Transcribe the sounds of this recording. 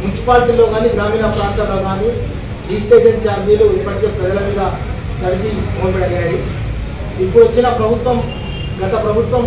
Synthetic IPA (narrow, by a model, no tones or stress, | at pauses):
munt͡ʃi̥paːɾʈilo̞ːɡaːniːɡɾaːmiːnɐpɾaːnt̪ɐloːɡaːni | d͡ʒiːsʈeːʃɐnt͡ʃaːɾd̪iːluipːɐʈikeːpɾɐd͡ʒɐlɐmiːd̪aː | kɐɾisibʱoːnbeɽɐjaːji | ipːuʋɐt͡ʃːinɐpɾɐbʱut̪ʋɐm | ɡɐt̪ɐpɾɐbʱut̪ʋɐm